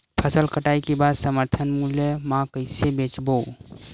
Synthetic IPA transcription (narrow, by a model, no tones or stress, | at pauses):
pʰəsəlkəʈaikebad̪səməɾt̪ʰənmuljemãkəɪsebet͡ʃbow